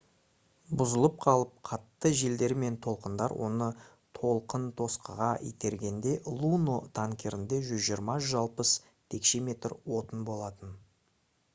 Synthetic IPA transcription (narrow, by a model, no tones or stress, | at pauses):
bʊzəlˠəp̚qʰɑlˠəp̚qʰɑt̪ːəʒe̞ld̪e̞ɾme̞nt̪ʰo̞lˠqənd̪ɑ̰ɾwʔo̞̰nə | t̪ʰo̞lˠqənt̪ʰo̞sqəʁɑḭjt̪e̞ɾɡʲe̞nd̪e̞lˠunot̪ʰaŋkʲʰe̞ɾɪnd̪e̞ʒʏzʒijəɾmɑʒʏzɑlˠpəs | t̪ʰe̞kʃe̞me̞t̪rwo̞t̪ənbo̞lˠɑt̪ən